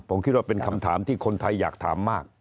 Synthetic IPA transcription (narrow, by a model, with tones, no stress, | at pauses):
pʰo˩˦mkʰi˦˥t̪̚wa˥˩pe˧nkʰa˧mt̪ʰaː˩˦mt̪ʰiː˥˩kʰo˧nt̪ʰa˧jːaː˨˩k̚t̪ʰa̰ː˩˦mːaː˥˩k̚